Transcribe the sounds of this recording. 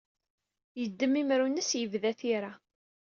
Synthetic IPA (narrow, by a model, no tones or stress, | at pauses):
jəd̪ːəmimɾunəsjəvðæθiɾa